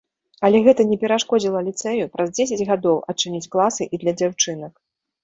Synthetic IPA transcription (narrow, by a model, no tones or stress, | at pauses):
ɐlʲɛɣɛt̪ɐnʲɛpʲɛɾaʂkɔd͡zʲilˠɐlʲit̪sɛjupɾɐzd͡zʲesʲɐd͡zʲɣad̪ɔwʔɐt͡ʂɨnʲit͡sʲklˠasɨʔid̪lʲɐd͡zʲawt͡ʂɨnɐk